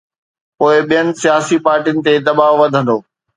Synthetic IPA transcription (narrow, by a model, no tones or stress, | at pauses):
poːɪɓijənɪ̆sijaːsipaːɾʈijnɪ̆t̪ed̪ɐbaːʋɐd̪ʱə̃nd̪oː